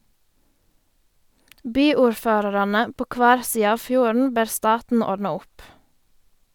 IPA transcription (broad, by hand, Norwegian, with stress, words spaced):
ˈbyːuːɾˌføːɾɑɾɑnə ˈpoː ˈkʋæːɾ ˈsiːə ˈɑːʋ ˈfjuːɾn̩ ˈbeːɾ ˈstɑːtn̩ ˈɔɖnɑ ˈʊp